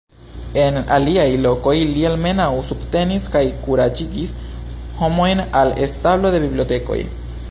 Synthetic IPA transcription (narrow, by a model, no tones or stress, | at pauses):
e̞na̰liajlo̞ko̞jlielme̞nawsubte̞niskajkuɾad͡ʒiɡis | ho̞mo̞jnale̞̰stablo̞de̞bibliote̞ko̞̰j